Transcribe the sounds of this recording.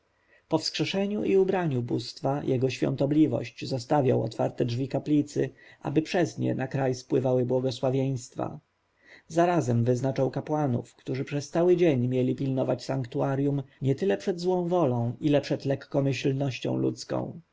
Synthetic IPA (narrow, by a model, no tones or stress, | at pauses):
pɔfskʂɛʂɛɲuʔiubɾaɲubust̪fajʔɛɡɔɕfʲjɔ̰̃nt̪ɔblʲivɔ̰ɕt͡ɕzɔst̪avʲja̰wɔ̰t̪fa̰ɾt̪ɛdʐvʲikaplʲit̪sɘʔa̰bɘpʂɛzɲɛ̰nakɾajspwɘvawɘbwɔɡɔswavʲjej̃st̪fa̰ | zaɾazɛmvɘznat͡ʂawkapwanṵfkt̪uʐɘpʂɛst̪sawɘd͡ʑeɲmʲjɛlʲipʲilnɔvat͡ɕsaŋkt̪uaɾjumɲɛt̪ɘlɛpʂɛd̪zwɔ̃w̃vɔlɔ̃w̃ʔilɛpʂɛd̪lɛkːɔmɘɕlnɔɕt͡ɕɔ̰̃w̃lṵt̪skɔ̰̃w̃